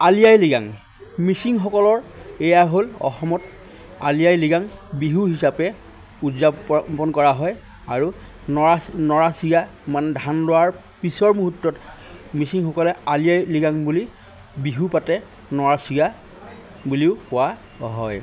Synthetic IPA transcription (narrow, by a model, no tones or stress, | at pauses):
alijajliɡaŋ | misiŋxɔkɔlɔɹɛjaɦolɔ̰xɔmɔt | alijajliɡaŋbiɦuɦisapɛ | udzapɔnkɔɹaɦɔj | aɹu | nɔanɔɹasiɡa | manɛdʱanlʊwaɹ | pisɔɹmuɦutːɔtmisiŋxɔkɔlɛalijajliɡaŋbuli | biɦupatɛ | nɔɹasiɡa | buliʊkʊwa | ɦɔj